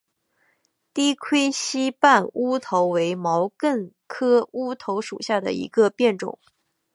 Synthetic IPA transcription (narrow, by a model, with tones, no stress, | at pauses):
t̪i˥kʰwe˥ɪɕi˥pa˥˩nu˥t̪ʰo˧˥ʊwe˧˥ɪmɑ˧˥ʊkə˥˩ŋ | kʰɤ˥u˥t̪ʰo˧˥ʊʂṵ˨˩ɕja˥˩d̪ə̰˩ḭ˧˥ɡə˧pjɛ˥˩nʈ͡ʂʊ̰˨˩˦ŋ